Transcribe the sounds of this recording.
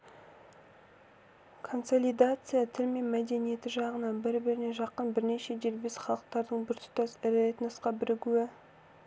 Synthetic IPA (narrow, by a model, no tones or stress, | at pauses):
kʰo̞nso̞lʲijd̪at̪sɨjat̪ʰɪlme̞nmæd̪e̞nije̞t̪ɪʒɑʁənɑnbɪɾbɪɾɪne̞ʒɑqːənbɪɾne̞ʃe̞d̪eɾbesχɑlˠəq̚t̪ɑɾd̪əɴbɪɾt̪ʰʏ̥t̪ɑsɪɾet̪nəsqɑbɪɾʔɪɡʲuwɪ